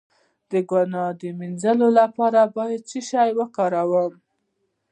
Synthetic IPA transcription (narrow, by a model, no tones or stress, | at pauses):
d̪̥əɡwanɑd̪əminzəlolapɑɾabɑjad̪̚t͡siʃɑjwəkɑɾawəm